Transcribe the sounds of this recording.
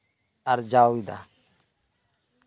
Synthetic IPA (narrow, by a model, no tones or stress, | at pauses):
aɾd͡ʒawid̪a̰